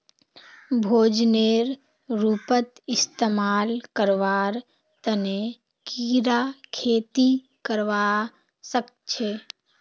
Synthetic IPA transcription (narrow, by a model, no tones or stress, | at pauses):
bʱoːd͡ʒneːɾ | ɾuːpət̪ɪst̪emaːlkəɾʋaːɾ | t̪əne | kiːɾakʰeːt̪i | kəɾʋa | sək̚ | t͡ʃʰeː